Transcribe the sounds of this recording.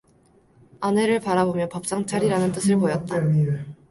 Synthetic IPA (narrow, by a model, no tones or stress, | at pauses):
ane̞ɾɯɭpaɾabomjʌnpʌp̚s͈aŋt͡ɕʰaɾiɾanɯnt͈ɯsʰɯɭpojʌt̚t͈a